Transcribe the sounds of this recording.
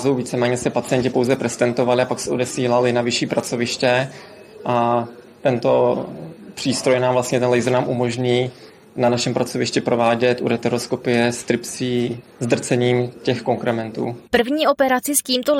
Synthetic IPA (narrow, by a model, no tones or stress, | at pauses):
zowviːt͡sɛmɛːɲɛsɛpat͡sɪjɛɲcɪpo̞wzɛpɾɛst̪ɛnt̪o̞valɪapaksɛʔo̞dɛsiːlalɪnavɪʃiːpɾat͡so̞vɪʃcɛ | ʔat̪ɛnt̪o̞ | pr̝̥iːst̪ɾo̞jnaːmvlast̪ɲɛt̪ɛnlɛjzɾnaːmʔumo̞ʒɲiː | nanaʃɛmpɾat͡so̞vɪʃcɪpɾo̞vaːɟɛt̪ʔṵɾɛt̪ɛɾo̞sko̞pɪjɛst̪ɾɪpsiː | zd̪r̩t͡sɛɲiːmcɛxko̞ŋkɾɛmɛnt̪ṵːpr̩vɲiːʔo̞pɛɾat͡sɪsciːmt̪o